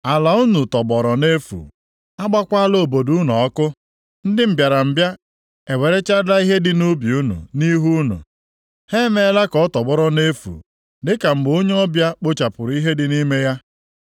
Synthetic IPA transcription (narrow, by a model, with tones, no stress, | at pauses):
a˨la˨u˦nu˨tɔ˨bɔ˨ɾɔ˨ne˦fṵ˨ | a˦ɡ͡ba˦kʷa˦lo˨bo˨du˦nu˨ɔ˦kʊ˦ | n̩˦dɪ˦m̩˨bja˨ɾa˨m̩˨bja˦ | e˨we˨ɾe˦t͡ʃa˦da˦i˦ɦe˦dɪ˦nu˦bi˨u˦nṵ˨ni˦ɦu˦nṵ˨ | he˦me˨˦la˦kɔ˨˦tɔ˨bɔ˦ɾɔ˦ne˦fṵ˨ | dɪ˦ka˨m̩˨ɡ͡bo˦ɲe˦ɔ˦bja˦k͡po˦t͡ʃa˨pʊ˨ɾi˦ɦe˦dɪ˦ni˦me˦ja˦